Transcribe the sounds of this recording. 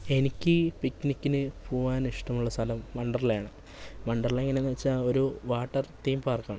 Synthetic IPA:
e̞nikʲːɨpiknikʲːinɨpoːʋaːniʂʈɐmuɭːɐst̪ʰɐlɐmːɐɳɖɐrɐljaːɳɨ | mɐɳɖɐrɐleŋːɐnenːiʋɐt͡ɕːao̞ɾuʋaːʈːɐrt̪iːmpaːrkːaːɳ

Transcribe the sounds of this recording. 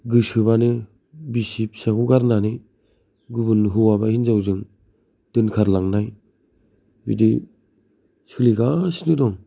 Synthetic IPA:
ɡɯsɯβanɯ | bisip̚sakuɡaɾnanɯ | ɡubunɦɯwabahinzawzɯŋ | d̥ɯnkʰaɾlaŋnaj | bḭdi | sʰɯliɡasnɯdɔŋ

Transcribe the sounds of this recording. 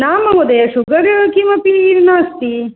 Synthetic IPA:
naːmɐɦod̪ɐjɐʃuɡɐɾkimɐpiːɾnaːst̪i

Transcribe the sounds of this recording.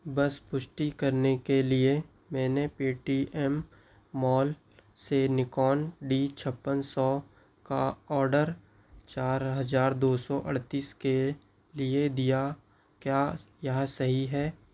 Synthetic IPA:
bɐspʊʃʈikɐɾnekelie | mɛ̃ːnepiːʈiʔɛmː | ɔːl | senɪkɔːnɖit͡ʃʰəpːənsɔ | kaɔːɾɖəɾ | t͡ʃaːɾɦɐzaːɾd̪oːsɔʔɐ̰ɽt̪iːske | lied̪ija | kjaːjɐɦsɐɦiɦɛː

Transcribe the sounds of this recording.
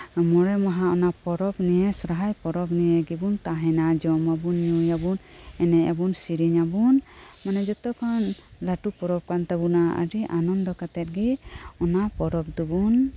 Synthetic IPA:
mɔɽɛmaɦaɔnapɔɾɔbnijɛsɔɾaɦajpɔɾɔbnijɛɡibunt̪aɦɛnad͡ʒɔmabunɲujabun | ɛnɛa̰bunsiɾiɲabunmanɛd͡ʒɔt̪ɔkʰɔnlaʈupɔɾɔp̚kant̪abunaa̰ɾiʔanɔnd̪ɔkat̪ɛt̪̚ɡiɔnapɔɾɔb̚d̪ubun

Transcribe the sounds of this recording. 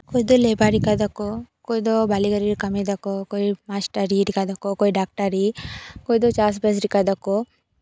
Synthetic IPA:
kojd̪olebaɾikad̪akokojd̪obaliɡəɾiɾkɐmed̪akokoimasʈəɾiɾikad̪akokoiɖak̚ʈaɾikojd̪ot͡ʃaːs̬bes̬ɾikad̪ako

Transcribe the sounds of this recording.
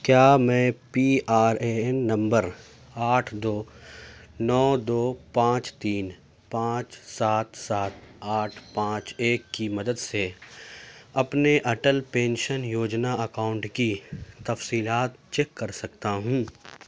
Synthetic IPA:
kjaːmɛ̃ːpiaːɾeɛnːɐ̃mbəɾ | aːʈʰd̪oː | nɔːd̪oːpãːt͡ʃt̪iːn | pãːt͡ʃsaːt̪saːt̪aːʈʰpãːt͡ʃeːkːimɐd̪əd̪se | ɐpneʔɐʈəlpẽːnʃənjoːd͡ʒnaɐkaːʊ̃ɳʈkit̪ɐfsiːlaːt̪̚t͡ʃekːɐɾsɐkt̪aɦũː

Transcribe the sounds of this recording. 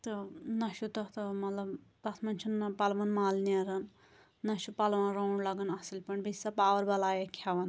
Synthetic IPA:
t̪ɨnɐʃut̪ɐt̪ɨmɐt̪lɐbd̪ɐsʰmɐnt͡ʃʰunːɐpɐlʋɐnmaːlniɐɾɐnː | ɐʃupɐlʋɐnɾɐwɳɖlɐɡɐnɐsilʲpɐɳbisɐpaːʋɐɾbɐlaːjɐkʲʰɐʋɐn

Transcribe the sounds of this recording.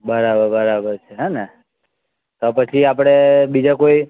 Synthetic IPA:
bəɾabəɾbəɾabəɾt͡ʃʰeɦanɛ | t̪opət͡ʃʰiapɽ̃ebid͡ʒakoi

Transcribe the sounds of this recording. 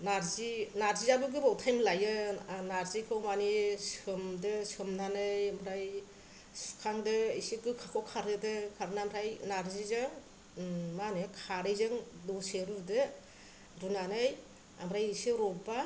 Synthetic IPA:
naɾzinaɾzizabɯɡɯbawtʰajmlajɯnaɾzikʰɯwmanisɯmdɯsɯmnanɯjamɾaj | su̥kʰaŋdɯisikɯkʰakʰɔkʰaɾɯdɯkʰaɾɯnamɾajnaɾzizɯ | manɯkʰaɾɯjzɯŋdɔseɾudɯ | ɾunanɯj | amɾajisɯɾɔba

